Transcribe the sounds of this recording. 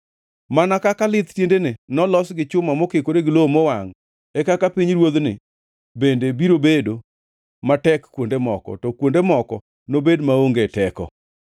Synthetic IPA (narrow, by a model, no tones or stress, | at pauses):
manakakalɪt̪tjendenenɔlɔsɡɪt͡ʃʊmamɔkekoɾeɡɪlomɔwaŋ | ekakapiɲɾwod̪nɪ̰ | bendebiɾobedo | matɛkkːwondemɔkɔ̰tɔkwondemɔkɔ | nobedmaoŋɡetɛkɔ̰